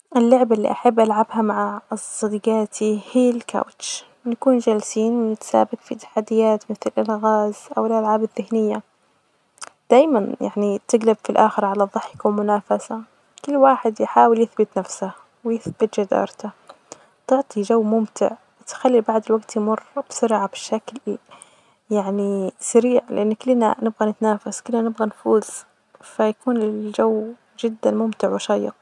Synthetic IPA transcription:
ʔɪlːʊʕbalːḭʔaħabːʔalʕabhamaʕassˤːɑd̪ɡaːt̪ʰihiːlka̰wt͡ʃ | nakuːnd͡ʒalsiːnwɪnɪt̪sa̰ːbakfit̪ḁħad̪ːɪjaːt̪mɪθlɪlʔalɣaːzʔawɪlʔalʕaːbɪðːɪhnɪjːa | d̪̥aːjmanja̰ʕnit̪ɪɡlɪbfilʔaːxɪɾʕalaðˤːɨħɪkawnmʊnaːfasa | kɪlːwaːħɪd̪jħaːwɪljɪθbɪt̪nafsa | wɪjɪθbɪt̪d͡ʒad̪ɑ̰ːɾˤt̪a | t̪ˤɑʕt̪ˤid͡ʒawːmʊmt̪ɪ̰ʕ | wɪt̪xalːibaʕd̪ɪlwaɡt̪jmʊrb̥sʊɾʕabɪʃːakl | jaʕnisaɾiːʕlɪʔanːkɪlːna̰nɪbɣanɪt̪naːfaskʊlːnanɪbɣanfuːz̥ | fajakuːnɪld͡ʒawː | d͡ʒɪd̪ːanmʊmt̪ɪʕwɪʃɑjːɪ̰q

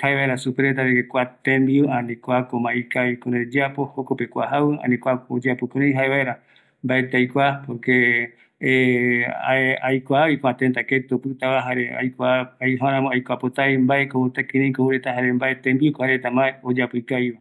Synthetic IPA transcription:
haeβaeɾasupeɾet̪aɾekʷat̪ẽmbianĩkʷakomaikaikõɾed͡ʒapohokopekʷaɦawɨa̰nĩkʷaod͡ʒapukɨ̃ɾẽj̃ɦaeβaeɾa | mbaet̪eajkʷapoke | ajkʷaβikoat̪ẽnt̪aket̪opɨt̪aβaɦaɾea̰jkaajɦãɾãmõajkʷapot̪ajmbaekot̪akĩɾẽj̃kohuɾet̪aɦaɾembaet̪ẽmbikoaɾet̪ambaeod͡ʒapujkaiβa

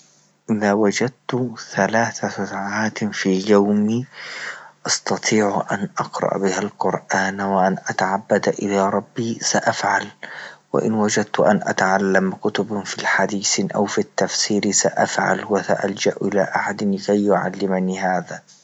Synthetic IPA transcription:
ʔɪðaːwad͡ʒad̪̚t̪θalaːθasasaʕaːt̪fiːjawmiː | ʔɑst̪ɑt̪ˤiːʕʔanʔɑqɾˤɑ̰ʔbɪhalqʊɾʔaːnwaʔanʔat̪aʕabːad̪ʔɪlaːɾˤɑbːiːsaʔafʕalwa̰ʔɪ̰nwad͡ʒad̪̚t̪ʊʔanʔa̰t̪aʕalːamkʊt̪ʊbfiːħad̪iːθʔa̰wfit̪ːafsiːɾsaʔa̰fʕa̰lwasa̰ʔald͡ʒaʔʔɪla̰ːʔaħad̪ɪnlɪkajːʊʕa̰lːɪmaniːhaːðaː

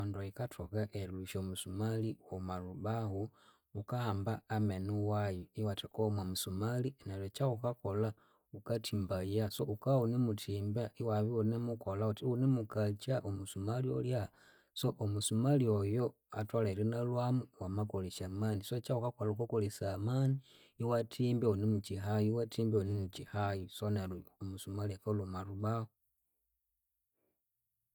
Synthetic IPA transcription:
andoikatʰokaʔeluʃomusumaliomaluβahu | ukaːmbaːmenuwajoiwatekomwamusumalinalet͡ʃaukakola | ukatʰimbajasoukaunimutʰimbaiwaβionemukolautiunemukat͡ʃaʔomusumaliolja | soʔomusumaljojo̞ | a̰twalalinalwamuwamakoleʃamanisot͡ʃaukakolaukakolesamani | iwatʰimbeunemut͡ʃiɦajiwatʰiːmbeonimut͡ʃihajisonaluomusumalekolumaluβao

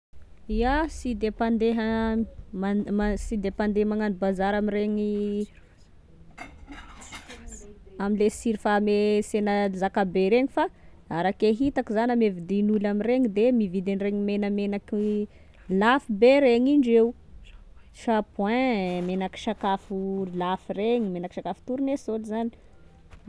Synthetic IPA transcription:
iasid̪epand̪eɦa | maasid̪epand̪emaŋanibazaɾamiɾeɲi | amilesiɾifamesenəzakabeɾeɲifa | aɾakeɦit̪akizanamevid̪inulamireɲid̪emivid̪enreɲimenəmenaki | lafibeɾeɲiɳɖ͡ʐew | ʃapwɛ̃menaki̥ʃakafulafireɲimenaki̥ʃakafu̥t̪uɾunesolizani̥

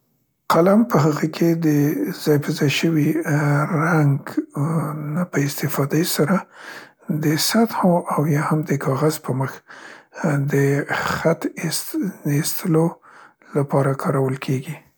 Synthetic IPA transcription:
qalampəhəɣəkʰed̪əz̥ɑjpəzɑjʃəwiɾaŋɡ | napəɪst̪ɪfɑd̪asaɾa | d̪əsat̪hoʔawjɑhamd̪əkʰɑɣaz̥pəməx | d̪əxat̪sest̪ʰəlo | lapɑɾakʰɑɾawəlkʰeɡi

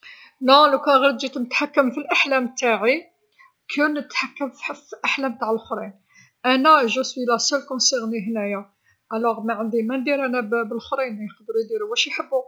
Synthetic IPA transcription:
nælukæɣæɾd̪d͡ʒit̪mət̪ħakːəmfilʔaħlæmt̪aʕi | kʰunət̪ħakːəmflʔaħlæmbt̪aʕəlxɾˤin | ʔænæʒusbilæsælkʊnsiɣniɦnæjæ | ʔælæɣmaʕənd̪imænd̪iɾʔænæbbəlxɾinæjqd̪ɾud̪iɾuwæʃjħəbːu

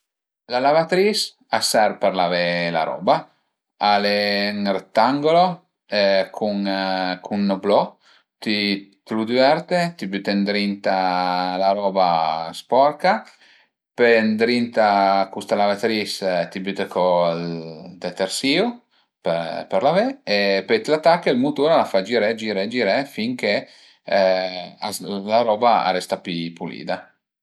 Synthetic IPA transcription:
lalavat̪ɾis | asɛɾpeɾlavela̰ɾɔ̰ba | aleŋret̪ːaŋɡolo | ɛkʰuŋkʰunːoblɔ | t̪it̪lud̪yɛɾt̪et̪ibyt̪end̪ɾint̪alaɾɔːbaspɔɾka | pend̪ɾint̪akust̪alavet̪ɾist̪ibyt̪ekʰo | d̪et̪ersiːu | pepeɾlaveepet̪lat̪ːakːəilmut̪uːɾalafad͡ʒiɾɛd͡ʒiɾed͡ʒiɾefiŋke | a̰laɾɔːbaa̰rɛst̪apipulḭːd̪a

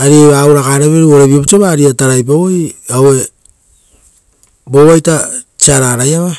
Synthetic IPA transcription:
aɾieβauɾakaɾeβeɾuoɾeβiopt͡ʃeβaːɾiataɾajp̬aojawe̞ | bo̞βajtat͡ʃiaɾaɾajaβa

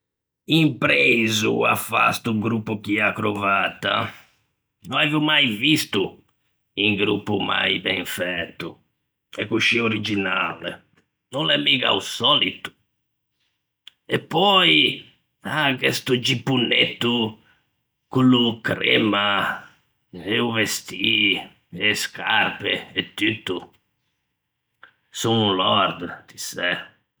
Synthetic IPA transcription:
impɾezṵa̰fa̰st̪uɡɾupːukiakɾovat̪ːa̰ | nɔavumajvist̪u | iŋɡɾṵpːuma̰jbɛ̃ɱfɛt̪ːu | ɛkːuʃioɾid͡ʒinalɛ̰ | nɔlɛmːiɣa̰usɔlit̪u̥ | ɛpːɔj | akest̪ud͡ʒipːunːet̪ːu | kulukɾema | euvest̪i | ɛskʰarpḛɛt̪ːyt̪ːu | sunulɔɾd̪t̪isɛ

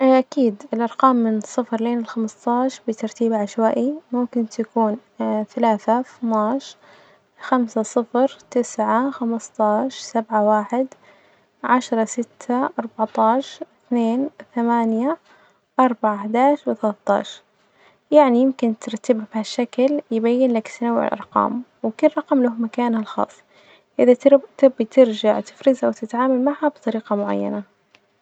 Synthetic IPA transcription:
ʔakiːd̪ɪlʔɑɾˤqɑːmːɪnsˤɨfɾleːnɪlxamst̪ˤɑːʃbɪt̪ɑɾˤt̪iːbʕaʃwaːʔimʊmkɪnt̪akuːnθalaːθamɑːʃ | xamsasˤɨfɾt̪ɪsʕaxamɨst̪ˤɑːʃsabʕawaːħɪd̪ | ʕaʃɾˤɑsɪt̪ʰːaʔɑɾˤbɑʕt̪ˤɑːʃθneːnθamaːnja | ʔɑɾˤbaʕaħd̪aːʃwɪθalat̪ˤːɑ̰ːʃɾ | jaʕnijɪmkɪnt̪ɪɾˤt̪ːɪbhabhaʃːakljɪbajːɪnlakt̪nawːɪʕɪ̰lʔɑ̰ɾˤqɑ̰ːmwɪkɪlɾˤɑqɑmlahmakaːnhalxɑ̰ːsˤː | ʔɪðat̪ɪbit̪ɪɾd͡ʒaʕt̪ɪ̥fɾɪzhawt̪ɪt̪ʕaːmalmaʕhabt̪ˤɑɾiːqɑmʊʕa̰jːa̰na

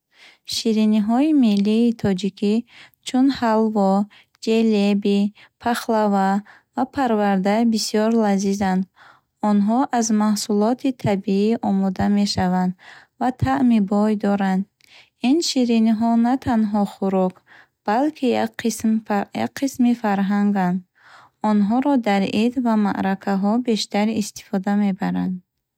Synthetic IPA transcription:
ʃiɾiniɦɔimilːiːt̪ʰɔd͡ʒikʰit͡ʃʰunhalvɔ | d͡ʒelebipʰaχlava | vapʰaɾvaɾd̪abisijɔɾlazizand̪ | ɔnɦɔʔazmahsulɔt̪ʰit̪ʰabiiʔɔmɔd̪ame̞ʃavand̪ | vat̪ʰaʔmibɔjd̪ɔɾand̪ | inʃiɾiniɦɔnat̪ʰanɦɔχuɾɔk | b̥alkʰimja̰qʰːismifaɾɦaŋɡand̪ | ɔnɦɔɾɔd̪aɾid̪vama̰ʔɾakʰaɦɔbe̞ʃt̪aɾiːst̪i̥fɔd̪ame̞baɾand̪

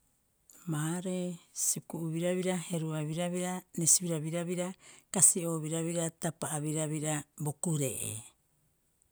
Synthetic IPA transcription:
maːɾesikuʔuβiɾaβiɾahe̞ɾuaβiɾaβiɾanesiβiɾaβiɾaβiɾakasio̞ːβiɾaβiɾatapaaβiɾaβiɾabo̞kuɾḛʔḛ

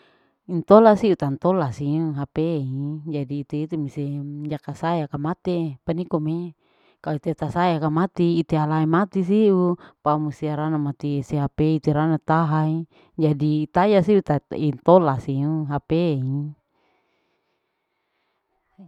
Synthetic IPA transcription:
int̪olasiut̪ant̪olasiuɦapeid͡ʒadiːt̪eit̪umiseɲd͡ʒakasajakamat̪epanikome | kaloit̪et̪asajakamat̪iːt̪ealaimat̪is̬iupamusiaɾanamat̪iseɦapeit̪eɾanat̪aɦai | d͡ʒadiːt̪ajasiut̪aint̪olasiuɦapei

